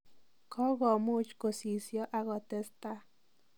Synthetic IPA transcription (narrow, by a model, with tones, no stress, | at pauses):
kʰo˦ɡo˨mu˦t͡ʃku˨si˨sjo˦ʔa˧ɣo˨t̪e˧st̪a˦